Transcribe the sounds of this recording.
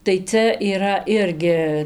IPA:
tɐɪ ˈt͡sʲɛ iːˈrɐ ˈɪrʲɡʲɪ

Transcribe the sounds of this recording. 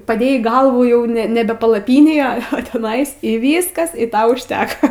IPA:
pɐˈdʲeːjɛɪ ˈɡɐlˠʋuː ˈjɛʊ nʲɛ ˈnʲæːbʲɛ pɐlˠɐˈpʲiːnʲeːj ɐ ɐ tʲɛˈnɐɪs iː ˈʋʲiːskɐs ɪ ˈtɐ ʊʃʲˈtʲæːkɐ

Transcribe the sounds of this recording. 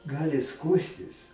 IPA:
ˈɡɑːlʲɪ ˈskuːsʲtʲɪs

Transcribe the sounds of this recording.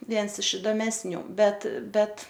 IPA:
ˈʋʲiɛns ɪʃ ɪdoːmʲɛsʲˈnʲuː ˈbʲɛt ˈbʲɛt

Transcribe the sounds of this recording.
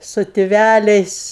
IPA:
sʊ tʲɪˈʋʲælʲɛɪs

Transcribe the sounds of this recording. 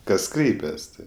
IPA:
kɐs ˈkrʲɛɪpʲɛs ˈtɐɪ

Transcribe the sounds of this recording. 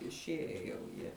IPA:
ɪʃʲˈiɛjɛ jɛʊ ˈjiɛ

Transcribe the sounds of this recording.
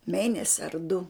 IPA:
ˈmʲeːnʲɛsʲɪ ɐr dʊ

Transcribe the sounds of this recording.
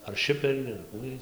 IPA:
ɐr ˈʃʲɪpʲɛrʲiː ɐr ˈkuː ˈjiɛj

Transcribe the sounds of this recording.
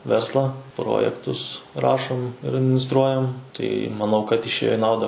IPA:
ˈʋʲɛrslˠɑː ˈproːjɛktʊs ˈrɑːʃoːm ɪr ɐdʲmʲɪnʲɪsˈtruɔjɛm tɐɪ mɐˈnɐʊ kɐt ɪʃʲˈeːjoː ɪ ˈnɐʊdɐ

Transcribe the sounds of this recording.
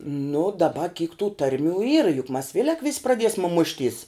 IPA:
nʊ dɐˈbɐ kʲiːk tuː ˈtɐrʲˌmʲuː iːrɐ jʊk mɐs ˈʋʲeːlʲɛk ʋʲɪs prɐˈdʲiɛsʲmʲɛ ˈmʊʃʲˌtʲiːs

